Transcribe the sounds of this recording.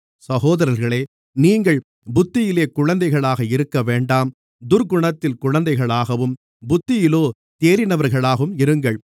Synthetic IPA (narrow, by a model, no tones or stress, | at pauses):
sɐɣoːðɐɾɐɾɣɐɭeː | niːŋɡɐɭ | bʊt̪ːɪjɪleːkʊɻɐnd̪ɐɪɣɐɭaːɣɐɪɾɯkːɐʋeːɳɖaːm | d̪ʊɾɡʊɳɐt̪ːɪlkʊɻɐnd̪ɐɪɣɐɭaːɣɐʋɯm | bʊt̪ːɪjɪloː | t̪eːɾɪnɐʋɐɾɣɐɭaːɣɯmɪɾɯŋɡɐɭ